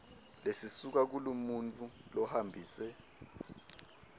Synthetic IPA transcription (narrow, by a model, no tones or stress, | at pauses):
lesisuk̬ak̬ulumunt͡fʰʼulɔhambʱiːsɛ